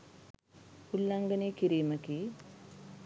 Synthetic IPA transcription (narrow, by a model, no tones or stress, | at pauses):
kulːɐŋɡɐniːkiɾiːmɐki